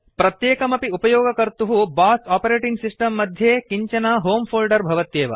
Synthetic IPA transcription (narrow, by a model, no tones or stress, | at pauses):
pɾɐt̪jeːkɐmɐpiupɐjɔːɡɐkɐɾt̪uɦubaːsaːpɐɾeːʈiŋɡsisʈɐmːɐd̪ʱjeːkiɲt͡ʃɐnaːɦoːmfʰoːlɖɐɾbʱɐʋɐt̪jeːʋɐ̰